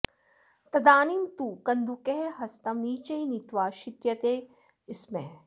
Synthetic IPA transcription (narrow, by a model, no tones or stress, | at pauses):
t̪ɐd̪aːnint̪ukɐnd̪ukeɦɦɐst̪ɐmiːt͡ʃɐinit̪ʋaːʃɪt̪jɐt̪eː | ɪsmẽ